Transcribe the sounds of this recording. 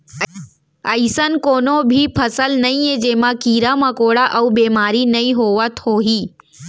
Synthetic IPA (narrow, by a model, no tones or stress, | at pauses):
ɐɪsənkoːnobʱipʰɐsəlnɐĩẽd͡ʒeːmãkiːɾamɐkoːɽaʔɐubeːmaːɾinɐĩɦoːʋət̪hoːɦiː